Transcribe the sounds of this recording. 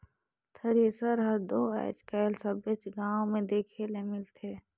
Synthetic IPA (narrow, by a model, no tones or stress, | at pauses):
t̪ʰəɾesəɾɦəɾd̪oːaɪ̰t͡ʃkaɪlsəbet͡ʃɡaːõmẽd̪eːkʰelemɪlt̪ʰeː